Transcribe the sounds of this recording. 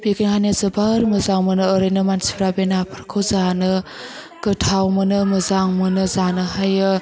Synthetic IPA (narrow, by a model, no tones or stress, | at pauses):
beɡenhanezəbaɾməzaŋmɯnɯːɾɯjnɯmansi̥pʰɾabenapʰɯɾkʰɯwzanɯ | ɡ̥ɯtʰawmɯnɯməzaŋmɯnɯzanɯɦajɯ